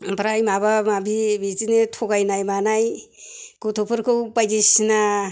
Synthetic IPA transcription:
pɾajmabamabibitinetʰoɡajnajmanaj | kutʰopʰɯɾkʰɯwpajd͡ʒisna

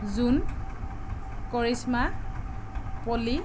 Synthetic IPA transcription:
zun | koɹisma | poli

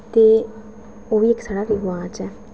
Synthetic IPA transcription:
t̪eː | oːʋiːeksaːɽaːɾɪʋãːt͡ʃɛː

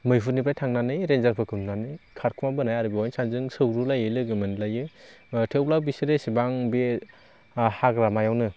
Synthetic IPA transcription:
mɯjpʰutnip̬ɾajtʰaŋnanɯjɾenzaɾpʰɯkʰɯmnanɯkʰaɾkʰumabɯnajaɾɯbiɔjnsanzɯŋsɯwɾulajɯlɯɡɯmɯnlajɯtʰewlawbisiɾesibaŋbi | hakɾamajawnɯ

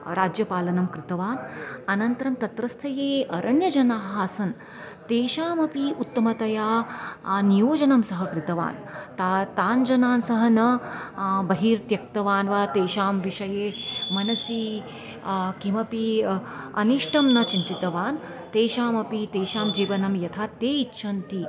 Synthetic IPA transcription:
ɾaːd͡ʒjɐpaːlɐnɐmkɾɪt̪ɐʋaːnɐnɐnt̪ɐɾɐmt̪ɐt̪ɾɐst̪ʰɐjeːɐɾʔɐɳjɐd͡ʒɐnaːɦaːsɐn | t̪eːʃaːmɐpiut̪ːɐmɐt̪ɐjaː | nijoːd͡ʒɐnɐmsɐɦɐkɾit̪ɐʋa̰ːnt̪ːt̪aːnd͡ʒɐnaːnsɐɦɐnɐ | bɐɦiːɾt̪jɐk̚t̪ɐʋaːnʋaːt̪eːʃaːmʋiʃɐjeːmɐnɐsi | kimɐpi | ɐ̰niʂʈʰɐmnɐt͡ʃint̪it̪ɐʋaːn | t̪eːʃaːmɐpit̪eːʃaːmd͡ʒiːʋɐnɐmjɐt̪ʰaːt̪eːitːʃʰɐnt̪i

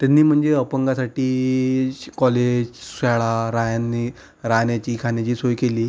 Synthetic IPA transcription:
t̪janːiːm̤əɳd͡zeəpəŋɡasaʈiː | kɔled͡ʑsaɭaɾajanːi | ɾanjat͡ɕiːkʰanjat͡ɕiːsojkeliː

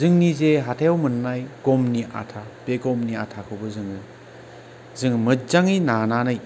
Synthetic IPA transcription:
zɯŋnizeɦatʰajawmɯnːajɡ̥ɔmniʔa̰tʰabeɡɔmniatʰakʰɯwbɯzɯŋɯ | zɯŋmɯzaŋinananaj

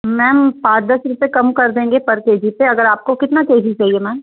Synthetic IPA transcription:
mɛ̃ːmpaːɾd̪əsɾipekɐmkɐɾd̪ẽːŋɡepɐɾkeːd͡ʒipeɐɡəɾaːp̚kokɪt̪nakeːd͡ʒit͡ʃaːɦiemɛ̃ːm

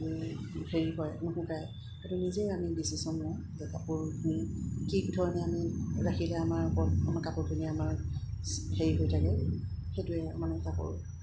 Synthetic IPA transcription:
mixeɹikɔjamuxʊ̃kaj | katunizejamidisisɔnːɔ | zɛkapʊɹkʰunkikdʱɔɹɔnɛamiɹaxʰilɛamaɹpɔamaɹkapʊɹkʰiniamaɹ | xeɹiɦojtʰakɛ | xetʊɛa̰manɛsapɔ̰ɹ

